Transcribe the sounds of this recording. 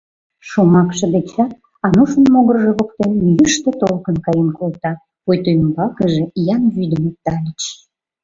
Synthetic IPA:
ʃomɑkʃə̆d̪et͡ɕɑ | ɑnuʃə̆nmoɣərʒĕβokt̪enjyʃt̪et̪olkənkɑjenkolt̪ɑ | pojt̪ojəmbɑkəʒejɑnβyd̪ə̆met̪ɑlʲət͡ɕ

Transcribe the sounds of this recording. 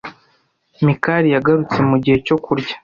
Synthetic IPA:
mikaɾijaɡaɾut͡se̞muɟihe̞co̞kuɾɟa

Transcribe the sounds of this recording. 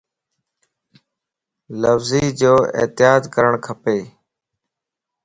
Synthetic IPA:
ləfziːd͡ʒoːɪ̰t̪ɪjaːd̪kəɾəɳkʰəpeː

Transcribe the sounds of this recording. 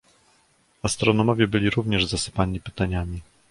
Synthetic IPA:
ast̪ɾɔnɔmɔvʲjɛbɘlʲiɾuvɲɛʐzasɘ̥paɲipɘt̪aɲamʲi

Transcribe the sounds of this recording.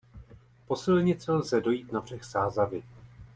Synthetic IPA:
po̞sɪlɲɪt͡sɛlzɛdo̞jiːt̪nabr̝̥ɛxsaːzavɪ

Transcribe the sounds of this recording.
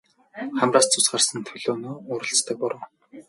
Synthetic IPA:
χæmraːst͡sʰʊsɢaːrsə̆nt̪ʰɵɮoːnoːʊːɾə̆ɬt͡st̪ə̆k̚pɔɾə̆w

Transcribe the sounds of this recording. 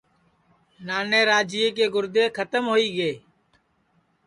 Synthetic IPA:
naːneːɾaːd͡ʒiek̬eːɡʊɾd̪eːkʰət̪əmɦoːiːɡeː

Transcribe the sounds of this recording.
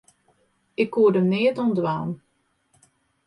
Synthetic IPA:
ɪkːuːədəmnɪətɔndʋaːn

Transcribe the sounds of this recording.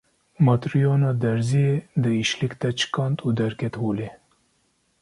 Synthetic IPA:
mɑt̪ɾijoːnɑːd̪ɛɾzijed̪ɨiʃlikd̪ɛt͡ʃɨ̥kɑnt̪uːd̪ɛɾkʰɛt̪hoːle

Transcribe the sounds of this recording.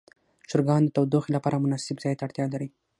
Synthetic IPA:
ʃʊɾɡɑnd̪ət̪awd̪oxelapɑɾamʊnɑsɪbzɑjt̪aaɽt̪jɑlaɾi

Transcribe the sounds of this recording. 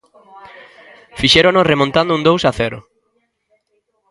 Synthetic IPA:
fiʃeɾonosremõnt̪and̪ʊũnd̪owsaθeɾo̰

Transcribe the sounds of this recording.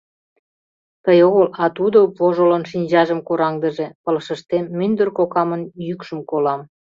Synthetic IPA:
t̪əjoɣəlɑt̪ud̪oβoʒolənʃinʲd͡ʑɑʒəmkoɾɑŋd̪ə̆ʒĕpələʃə̆ʃt̪emːynd̪ərkokɑmənjykʃə̆mkolɑm

